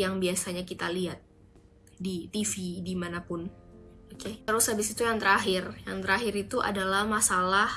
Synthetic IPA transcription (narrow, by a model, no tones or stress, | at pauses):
jaŋbiasaɲakit̪aliat̪̚ | dit̪ifidimanapʊnoket̪əɾushabɪsit̪ujaŋt̪əɾaɦɪrjaŋt̪əɾaɦɪɾit̪uʔa̰dalahmasalah